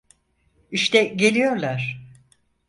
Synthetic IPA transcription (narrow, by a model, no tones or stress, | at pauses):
iʃt̪ɛɟe̞lʲijo̞ɾlˠaɾ̥